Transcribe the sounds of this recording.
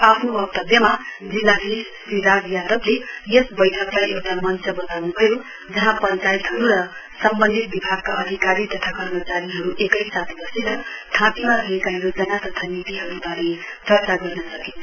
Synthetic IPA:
apʰnoʌkt̪ʌbjʌmad͡zilːasʰi | sriɾaɡjad̪ʌblejesbʌjʈʰʌklajʔewʈamʌnt͡sʌbʌt̪awnubʱʌjo | d͡zʌɦãpʌnt͡sajit̪ɦʌɾuɾʌsʌmbʌnd̪ʱit̪̚bibʱaɡ̚kaʔʌd̪ʱikaɾit̪ʌt̪ʰakʌrmʌt͡saɾiɦʌɾuʔekʌjsat̪ʰbʌseɾʌʈʰãpimaɾuekaɦjod͡zʌnat̪ʌt̪ʰanit̪iɦʌɾubʱaɾed̪ʱʌrt͡saɡʌrnʌsʌkinʰ

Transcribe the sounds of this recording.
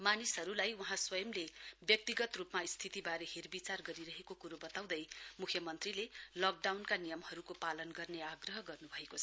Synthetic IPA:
manisɦʌɾulajwʌɦãswʌjʌmlebjʌk̚t̪iɡʌt̪rupmaist̪ʰit̪ibaɾʌherbit͡sarɡʌɾiɾʌɦekokuɾobʌt̪aw̃d̪ʌjmukʰjʌmʌnt̪rilelʌk̚ɖawnkanijʌmɦʌɾukopalʌnɡʌrneaɡrʌɦʌɡʌrnubʱʌekot͡sʰ

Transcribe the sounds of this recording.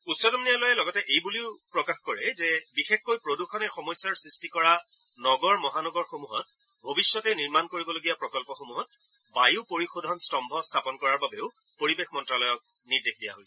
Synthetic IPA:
utsɔdɔmnialɔjɛlɔɡɔtɛʔejbuliʊpɹɔkaxkɔɹɛzɛbixexːojpɹoduxʰɔnɛxɔmɔjsjaɹsɹistikɔɹa | nɔɡɔɹmɔɦanɔɡɔɹxomuɦɔt̚ | bʱobisːɔtɛniɹmankoɹibɔloɡijapɹɔkɔlpɔxomuɦɔt̚ | bajuʊpoɹixodʱɔnstɔmbʱɔstʰapɔnkɔɹaɹbabeʊ | poɹibexmɔntɹalɔjɔk̚ | nidekʰdija̰ɦojsɛ

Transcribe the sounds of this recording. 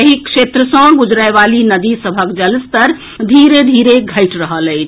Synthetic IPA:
ɦikʃet̪ɾəsə̃ɡud͡ʒɾaeʋalinəd̪isəbʱəkd͡ʒəlst̪əɾ | d̪ʱiɾed̪ʱiɾeɡʱəɪʈɾəɦələɪt͡ʃʰ

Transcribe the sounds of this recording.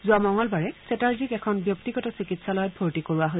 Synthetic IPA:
zʊamɔŋɔlbaɹɛsɛtaɹzikɛkʰɔnbjɔktiɡɔtɔsikitsalɔjɔt̚bʱoɹtikoɹuaɦo

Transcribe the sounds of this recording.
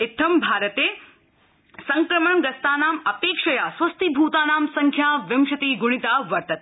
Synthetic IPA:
ɪt̪ʰːɐmbʱaːɾɐt̪eː | sɐŋkɾɐmɐɳɡɐst̪aːnaːmɐpeːkʂɐjaːsʋɐst̪ibʱuːt̪aːnaːmsɐŋkʰjaːʋɪmʃɐt̪iːɡʊɽ̃it̪aːʋɐɾt̪ɐt̪̚

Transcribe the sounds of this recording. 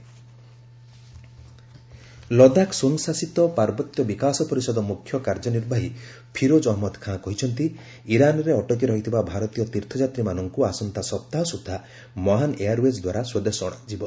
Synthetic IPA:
lɔd̪aksoŋsasit̪ɔpaɾbɔt̪jɔbikasɔpɔɾisɔd̪ɔmukʰjɔkaɾd͡ʒɔniɾbʱaɦi | pʰiɾod͡ʒɔɦmɔd̪kʰãkɔɦit͡ʃʰɔnt̪i | iɾanɔɾeɔʈɔk̬iɾɔɦit̪ʰibabʱaɾɔt̪ijɔt̪iɾt̪ʰɔd͡ʒat̪ɾimanɔŋkuasɔnt̪asɔp̚t̪aɦɔsut̪ʰa | mɔɦaneaɾuesd̪waɾaswɔd̪esɔɽ̃ad͡ʒibɔ

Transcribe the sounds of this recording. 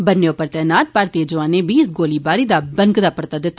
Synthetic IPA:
bənːeːʊpːəɾt̪ɛːnaːt̪̚paːɾt̪iːəd͡ʒʊʋãːneːbiːɪsɡoːliːbaːɾiːd̪aːbəŋkd̪aːpəɾt̪aːd̪ɪt̪ːaː

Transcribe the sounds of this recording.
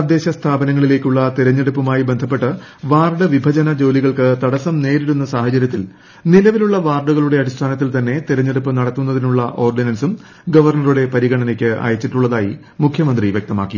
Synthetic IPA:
ɐd̪ːe̞ːɕɐst̪ʰaːbɐnɐŋːɐɭile̞ːkʲːuɭːɐt̪iɾɐɲːeɽupːɐmaːjibend̪ʱɐp̬ːe̞ʈːɨʋaːrɖɐʋibʱɐd͡ʑɐnɐd͡ʑo̞ːliɣɐɭkɨt̪ɐɽɐsɐmne̞ːɾiɾunːɐsaːhɐt͡ɕɐɾjɐt̪ːil | nilɐʋiluɭːɐʋaːrɖuɣɐɭuɽe̞ɐɽist̪ʰaːnɐt̪ːilt̪ɐnːe̞t̪iɾɐɲːeɽupːɨnɐɽɐt̪ːunːɐðinuɭːɐʔo̞ːrɖinɐnsum | ɡɐʋɐrɳɐruɽe̞pɐɾiɣɐɳɐnekʲːɨʔa̰ːjɐt͡ɕːiʈːuɭːɐðaːji | mukʰjɐmɐnd̪riʋjek̚t̪ɐma̰ːkːi

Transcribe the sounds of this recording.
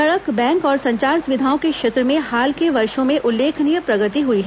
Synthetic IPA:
ɐɭəkbɛ̃ːŋkɔːɾsɐ̃ɲt͡ʃaːɾsʊʋɪd̪ʱaːõkekʃeːt̪ɾəmẽhaːlkeʋɐɾʃõmẽʔʊlːeːkʰnijəpɾɐɡət̪iɦuiɦɛ

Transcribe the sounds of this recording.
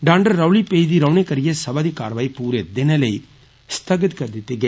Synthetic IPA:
ɖaːɳɖɐːɐʋlipejðiɾɐʋnikɐɾɪjɐsɐbɐðika̰ːɾʋɐɪpuːɾed̪ɪnɐlɐɪ | st̪ʰɐɡɐt̪kɐɾd̪ɪt̪ːɪɡɐ

